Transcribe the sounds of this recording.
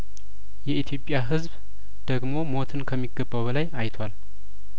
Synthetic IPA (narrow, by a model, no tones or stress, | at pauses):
jɛit̪ʰjo̞pʼːjaɦɨzβ | d̪̥əɡmo̞mo̞t̪ʰɨnkʰəmːiɡːəbːawβəlajajt̪ʰwal